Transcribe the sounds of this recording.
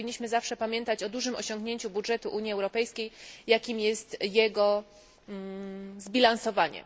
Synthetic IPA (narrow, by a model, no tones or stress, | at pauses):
iɲːiɕmɘzafʂɛpamʲjɛnt̪at͡ɕɔd̪uʐɘmɔɕɔŋɡɲeɲt͡ɕubudʐɛt̪uʔuɲjiɛwɾɔpɛjskʲejjakʲimjɛst̪jɛɡɔ | zbʲilansɔvaɲɛ̰